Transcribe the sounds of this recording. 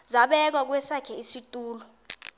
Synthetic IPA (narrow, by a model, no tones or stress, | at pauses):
zaɓɛk̬wak̬wɛsakʰɛisitʼuːlɔ